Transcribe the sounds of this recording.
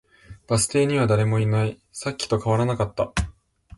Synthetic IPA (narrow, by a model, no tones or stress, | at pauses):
b̥asɨ̥t̪e̞ːɲ̟iβad̪aɾe̞mo̞inai | sakʲːi̥t̪o̞kaβaɾanakat̪ːa